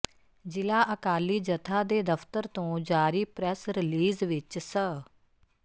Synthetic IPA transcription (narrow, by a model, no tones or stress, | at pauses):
d͡ʒɪlaːʔəkaːliːd͡ʒət̪ʰaːd̪eːd̪əfʰt̪əɾt̪õːd͡ʒaːɾiːpɾɛsɾɪliːzʋɪt͡ʃsə